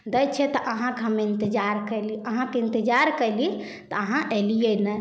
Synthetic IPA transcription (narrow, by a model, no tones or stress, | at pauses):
d̪əjt͡ʃʰɛt̪ɔʔəɦãkeɦəmeint̪id͡ʒaɾkəjliəɦãkeint̪id͡ʒaɾkəli | t̪ɔəɦãʔelijenɛ